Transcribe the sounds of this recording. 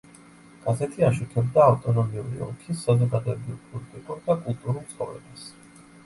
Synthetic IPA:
ɡ̥azɛt̪ʰiaʃukʰɛbd̪aːft̪ʼɔnɔmiṵɾḭɔ̰kʰisːazɔɡad̪ɔɛbipʼɔlit̪ʼikʼuɾd̪akʼulˠt̪ʼuɾulˠt̪sχɔvɾɛ̰bas

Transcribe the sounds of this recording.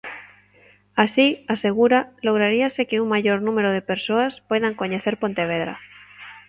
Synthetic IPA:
asiaseɣ̞uɾaloɣɾaɾiasekeuŋmaʝoɾnũmeɾoð̞epeɾsoaspweðaŋkoɲeθeɾpont̪eβ̞eðɾa̰

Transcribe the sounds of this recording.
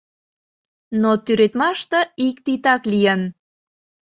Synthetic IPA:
not̪yɾet̪mɑʃt̪ə̆ikt̪it̪ɑklijən

